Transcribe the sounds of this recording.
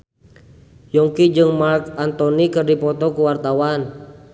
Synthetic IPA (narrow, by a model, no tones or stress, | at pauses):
jɔŋkid͡ʒɨŋmarkant̪ɔnikɨrdipɔt̪ɔkuwart̪awan